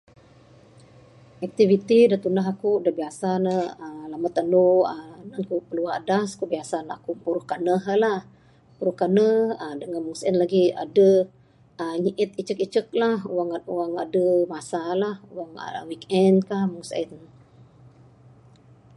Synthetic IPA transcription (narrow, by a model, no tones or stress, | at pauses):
ʔɛk̚t̪ivit̪idat̪unaɦakudəbiasanəəlamat̪ːəndoənankupəluaha̰daskubiasanaakupuɾʊhkanəɦəlah | puɾʊhkanəhədəŋanmuŋsɛnlaɡia̰də | əɲiʔɪt̪̚it͡ʃəkit͡ʃək̚lahuwaŋuwaŋa̰dəmasalahuwaŋə̰wikɛndkahmuŋsa̰t̪n